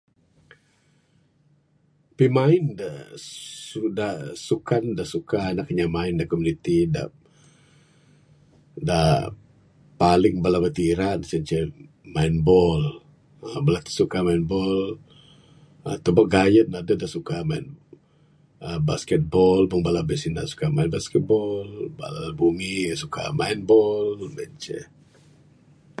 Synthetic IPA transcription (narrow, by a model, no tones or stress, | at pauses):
pimaɪnda | udahsukandahsukaanakɲamaɪndaʔkɔmunit̪ida̰ | dah | palɪŋbalabat̪iɾansənt͡ʃə | mainbɔl | bəlat̪ə̥sukamainbɔl | ət̪ubaʔɡajət̪̚nadədaʔsukamain | əbaskɛt̪̚bɔlbəŋbalabəsina̰ʔsu̥kamainbaskɛt̪̚bɔlba̰la̰bumisukʰa̰ma̰inbɔlmant͡ʃɛ̰